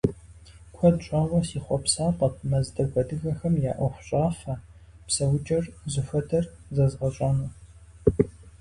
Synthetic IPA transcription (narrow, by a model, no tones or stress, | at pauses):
kʷʰɔdɕʷʼaːwʷɔsiːχʷɔpsaːqʼɐp̚ʰmɐzdɐɡʷɔdɨɣɐxɐmja̰ːʔʷɐxʷʊɕʼaːfɐpsɐwt͡ʃʼɐrzɨfɐdʰɐrzɐzʁɐɕʼanuː